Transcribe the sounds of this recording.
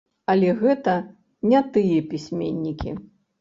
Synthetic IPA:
ɐlʲɛɣɛt̪ɐ | nʲɛt̪ɨjɛpʲisʲmʲḛnʲːikʲḭ

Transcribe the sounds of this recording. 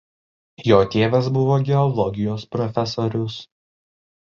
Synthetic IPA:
joːt̪ʲeːʋʲɛsbʊʋoːɡʲɛɔlˠɔɡʲɪjoːspɾɔfʲɛsoːɾʲʊs

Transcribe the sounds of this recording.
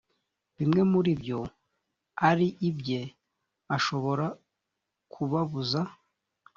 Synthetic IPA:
βimŋe̞muɾibjo̞ | aɾiʔibje | aʃo̞βo̞ɾa | kʰuβaβuza

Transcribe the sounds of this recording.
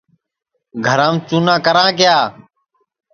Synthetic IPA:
ɡʱəɾãːmt͡ʃuːnãːkəɾãːkɪjaː

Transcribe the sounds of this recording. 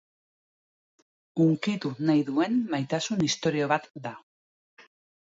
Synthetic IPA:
uŋkit̪unajðue̞nmajt̪asunist̪o̞ɾio̞βat̪d̪a

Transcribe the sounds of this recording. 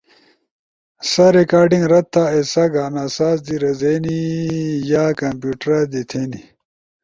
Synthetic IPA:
sɐɾekaːɾɖiŋɡɾɐtt̪ːaesɐɡaːnaːsaːzd̪iɾɐzeːnijaːkɐmpjuːʈɾad̪it̪ʰeːni

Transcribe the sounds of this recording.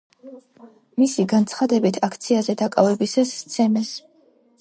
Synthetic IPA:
misiɡant̪sʰχad̪ɛbit̪ʰakʰt̪sʰiazɛd̪akʼavɛbisasːt̪sʰɛmɛs

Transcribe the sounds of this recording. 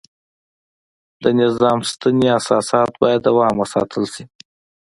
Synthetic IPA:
d̪ənɪzɑmst̪aniasɑsɑt̪bɑjad̪ːawɑmwəsɑ̰t̪ʰəlsi

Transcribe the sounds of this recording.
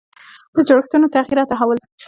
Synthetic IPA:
pəd͡ʒoɽəxt̪unot̪aɣiɾɑt̪aɦawəl

